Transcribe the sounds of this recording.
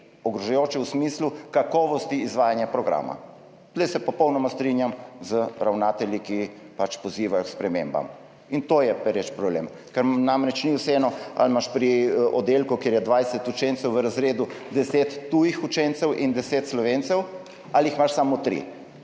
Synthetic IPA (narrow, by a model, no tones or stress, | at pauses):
ɔɡɾɔʒajoːt͡ʃɛwsmislukakɔːʋɔst̪iːzʋaːjanjapɾɔɡɾa̰ːma̰ | z̥lɛjsɛpɔpɔwnɔmast̪ɾinjamzəɾawnat̪ɛlʲiki | pat͡ʃpɔziːʋajɔkspɾɛmemba̰m | int̪ojɛpɛɾɛt͡ʃpɾɔblḛm | kaɾnamɾɛt͡ʃniwsɛɛːnɔa̰lmaʃpɾiʔɔd̪elkukjeːɾjɛd̪ʋajsɛt̪ut͡ʃɛnt̪sɛwʋəɾazɾeːd̪ud̪ɛseːt̪ːuːjixut͡ʃɛnt̪sɛwʔind̪ɛset̪slɔʋent̪sɛw | alixmaʃsamot̪ɾḭ